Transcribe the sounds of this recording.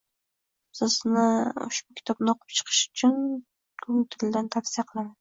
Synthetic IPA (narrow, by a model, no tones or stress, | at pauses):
sɪznɪʊ̰ʃbʊkʲʰɪ̥t̪ʰɒbnɪɒqʰɨ̥p̚t͡ʃʰɨ̥qʰɨ̥ʃʊ̥t͡ʃʰʊn | kʰʊŋt̪ʰɪld̪ant̪ʰafsijaqʰɨlˠaman